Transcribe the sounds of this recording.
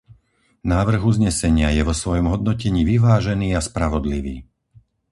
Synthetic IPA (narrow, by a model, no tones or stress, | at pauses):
naːʋr̩ɣuzɲɛsɛɲɪajɛʋɔsʋɔjɔmɦɔd̪nɔcɛɲiːʋiʋaːʒɛniːaspɾaʋɔd̪liʋḭː